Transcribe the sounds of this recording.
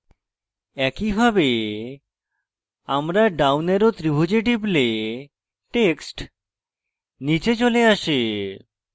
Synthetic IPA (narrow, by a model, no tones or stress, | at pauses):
ɛkibʱabe | amɾaɖawneɾot̪ɾibʱud͡ʑeʈ̬ible | ʈeksʈ | nit͡ɕet͡ɕoleaʃe